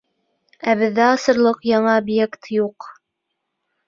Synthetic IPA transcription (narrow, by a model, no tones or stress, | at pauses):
æβɘ̆ðːæɑsɤ̆ɾlˠɤqjɑɴɑobjekt̪juq